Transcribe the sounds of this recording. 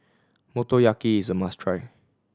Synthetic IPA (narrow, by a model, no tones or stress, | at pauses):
motojakiɪzəmastʰɹaɪ